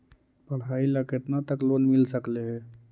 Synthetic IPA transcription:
pəɽ̤ɦaːiləket̪nat̪əkloːnmɪlsəkleɦɛ̃ː

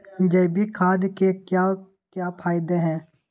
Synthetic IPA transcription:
d͡ʒɐbikʰaːd̪kekja | kjaːpʰaːɪd̪eɦɛ̃ː

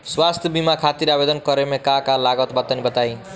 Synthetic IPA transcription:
swast̪ʰjʌbimakʰat̪iɾabed̪ʌnkʌɾemekakalaɡʌt̪bʌt̪ːʌnibʌt̪aj

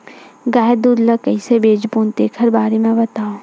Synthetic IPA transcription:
ɡaːjd̪uːɾləkəisebeːd͡ʒpuːnt̪eːkʰəɾbaːɾemẽbɐt̪aːo

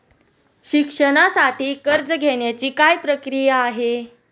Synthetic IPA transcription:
ɕikʂəɽ̃asaʈiːkəɾd͡zəɡʱeɳjat͡ɕiːkajpɾəkɾijaːɦe

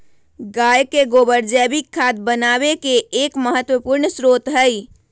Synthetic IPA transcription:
ɡajkeɡobəɾd͡ʒɛbikʰːad̪̚bənabekeːkməɦət̪wəpuɾɳsɾot̪ɦəj

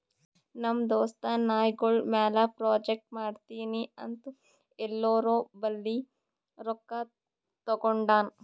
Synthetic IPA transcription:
nɐmd̪oːst̪ɐnaːjɡoɭmaːlapɾaːd͡ʒek̚ʈmaːɖt̪iːniɐnt̪u | elːoːɾoːbɐlːi | ɾɔkːa | t̪ɐɡoɳɖaːn

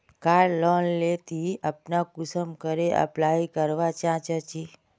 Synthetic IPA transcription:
kaːɖlɔnlet̪iəpnakʊsəmkəɾeʔə̰plaikəɾʋat͡ʃãt͡ʃət͡ʃi

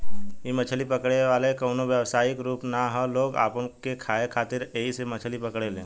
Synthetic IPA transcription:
jemət͡ʃʰəlipəkɽeʋaːlekəːnoʋjəʋsaːɪkɾuːpnaɦɔloːɡa̰ːpkekʰaːekʰaːt̪ɪɾeɦisemɐt͡ʃʰəlipɐkɽelḛ̃ː

